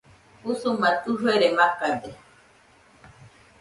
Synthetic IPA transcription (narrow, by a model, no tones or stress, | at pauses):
husumat̪uɦueɾemakad̪e